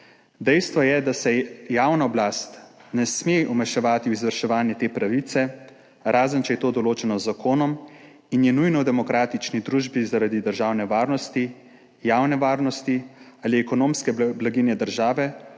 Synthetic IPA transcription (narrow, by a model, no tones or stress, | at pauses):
d̪ɛjst̪ʋɔjɛd̪asɛjaːwnaɔblaːst̪nɛsmeʔɔmɛʃɛʋaːt̪iuizʋəɾʃɛʋaːnjɛt̪eːpɾaʋit̪sɛ | ɾʔaːzənt͡ʃɛjɛt̪oːd̪ɔloːt͡ʃɛnɔzakʰoːnɔm | injɛnujnɔwd̪ɛmɔkɾaːt̪it͡ʃnid̪ɾuːʒbizaɾaːd̪id̪əɾʒaːwnɛʋaːɾnɔst̪i | jawnɛʋaːɾnɔst̪iaːliɛkɔnoːmskɛblaɡinjɛd̪əɾʒaːʋɛ